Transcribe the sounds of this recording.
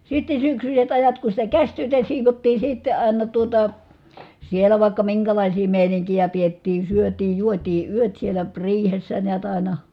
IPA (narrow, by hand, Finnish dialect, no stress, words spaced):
sitːe syksyset ɑjɑt ku sitæ kæsʲtyøtæ siːʋotːiː sitːe ɑˑi̯nɑ tuotɑ sielæ ʋɑˑi̯kːɑ miŋkælɑˑisiː meˑiniŋkijæ pietːiː syøtiː juotiː yøt sielæ riːhesːæ niæt ɑˑi̯nɑ